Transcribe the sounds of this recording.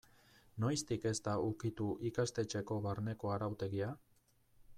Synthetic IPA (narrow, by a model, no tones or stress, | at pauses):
no̞jst̪ike̞zt̪aukit̪uʔikast̪e̞t͡ʃe̞ko̞βaɾne̞ko̞aɾawt̪e̞ɣia